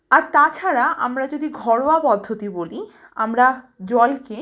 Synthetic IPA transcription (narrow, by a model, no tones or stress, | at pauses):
aɾt̪at͡ɕʰaɾaʔamɾad͡ʑod̪iɡʱɔɽowapɔd̪ʱːot̪iboli | a̰mɾa | d͡ʑɔlke